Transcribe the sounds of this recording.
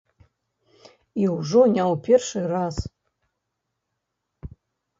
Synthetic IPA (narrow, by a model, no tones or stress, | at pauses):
iuʐonʲawpʰʲerʂɨraz